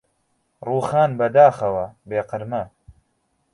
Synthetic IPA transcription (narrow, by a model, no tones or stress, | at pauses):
ruːxaːnbɐd̪aːxɐwɐbeːqɨɾmɐ